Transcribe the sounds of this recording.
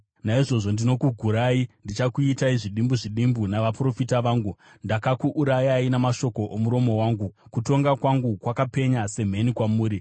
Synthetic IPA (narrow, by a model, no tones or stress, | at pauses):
naiʐo̞ʐo̞ndino̞kuɡʱuɾaindit͡ʃakuitaiʐiɗimbuʐiɗimbunaʋapro̞fitaʋaːŋɡu | ndakakuʔuɾajainemaʃo̞ko̞ʔomuɾo̞mo̞waːŋɡukuto̞ŋɡakwaŋɡukwakape̞ɲase̞m̤e̞nikwamuːɾi